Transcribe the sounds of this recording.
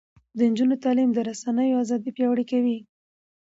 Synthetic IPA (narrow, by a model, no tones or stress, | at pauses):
d̪ənd͡ʒunot̪ɑlimd̪əɾasanəjoazɑd̪ipjɑwɽikawi